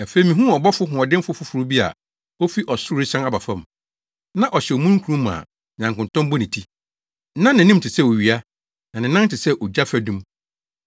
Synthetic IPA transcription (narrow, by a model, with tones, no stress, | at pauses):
a˨fe˦i˨mĩ˨ɦũ˦ɔ˨bɔ˦fʊ˦ɦʊ̃˨ɔ˨dɪ̃˦m˦fʊ˦fʊ˦fɾʊ˦bi˦a̰˨ | o˦fi˦ʔɔ˨sʊ˦ɾɪ˦sã˦na˦ba˨fã˦˨m | nã˦ʔɔ˨ɕɛ˨o˨mũ˦ŋ˦kʰu˨ɾũ˦m˨a̰˨ | ɲã˨ŋkʊ̃˨ntʰɔ̃˦mbɔ˦nĩ˨tʰi˦ | nã˦nːɪ̃˨nĩ˦m˦tʰɪ˨sɛ˦˨o˨ɥi˨a˦ | nã˨nɪ̃˨nã˦n˦tɪ˨sɛ˦ʔo˨d͡ʑa˦fæ˦dũ˦m